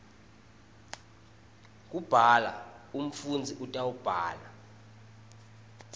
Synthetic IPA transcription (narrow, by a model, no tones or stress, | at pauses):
kʼub̥ʱala̰um̩fund͡zʱiʔutʼawub̥ʱaːla